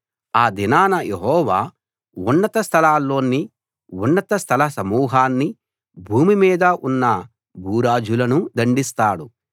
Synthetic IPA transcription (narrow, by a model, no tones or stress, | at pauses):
aːd̪inaːnɐjeɦɔːʋaː | unːɐt̪ɐst̪ʰɐlaːlːo̞ːnːi | unːɐt̪ɐst̪ʰɐlɐsɐmuːɦaːnːi | bʱuːmimiːd̪ɐʔunːɐ | bʱuːɾaːd͡ʒulɐnud̪ɐɳɖist̪aːɽu